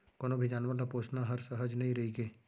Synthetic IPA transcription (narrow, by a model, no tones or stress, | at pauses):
koːnobʱid͡ʒaːnʋalapoːt͡ʃnaɦɐɾsɐɦəd͡ʒnɐɦĩɾɐɦiɡeː